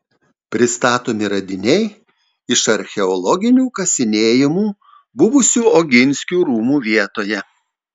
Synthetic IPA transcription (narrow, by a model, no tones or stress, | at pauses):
pʲɾʲɪst̪ɑːt̪oːmʲɪɾɐd̪ʲɪnʲɛɪ | ɪʃɐɾʲxʲɛɔlˠɔɡʲɪnʲuːkɐsʲɪnʲeːjɪmuː | bʊʋʊsʲuːoːɡʲɪnʲsʲkʲuːɾuːmuːʋʲiɛt̪oːjɛ